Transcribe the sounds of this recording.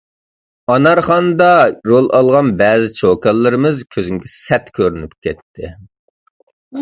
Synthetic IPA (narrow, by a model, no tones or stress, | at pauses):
ɑnɑɾχɑnd̪ɑɾolˠʔɑlˠʁɑnbɛːzɪt͡ʃʰokɑlˠːɨɾɨmɨzkʲʰøzymɡʲɛsɛt̪kʲʰøɾynypkʲʰɛt̪ʰːɪ